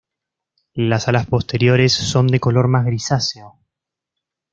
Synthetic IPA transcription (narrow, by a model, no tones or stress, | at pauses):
lasalaspo̞st̪e̞ɾjo̞ɾesːo̞nd̪e̞ko̞lo̞ɾmazɣɾisaseo